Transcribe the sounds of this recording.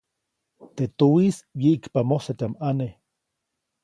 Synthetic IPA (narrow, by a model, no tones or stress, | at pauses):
t̪et̪owisjeikpamosat̪amane